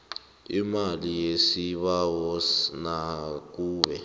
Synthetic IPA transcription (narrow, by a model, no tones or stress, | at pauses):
imalijesiɓawɔsnak̬uːɓɛ